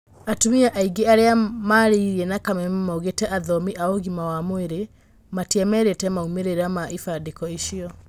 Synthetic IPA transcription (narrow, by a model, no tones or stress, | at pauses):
atomiaʔaiɡeaɾeamaɾeiɾiɛnakamɛmmaoɣetɛʔaðɔmiʔaoɣimawamweɾe | matiɛmɛɾetɛmaumeɾeɾamaʔifadekɔiʃiɔ